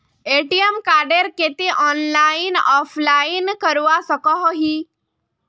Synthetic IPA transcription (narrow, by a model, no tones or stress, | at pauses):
eʈiemkaɾɖeɾket̪iʔɔnlainɔflainkəɾʋasəkɔɦɔɦiː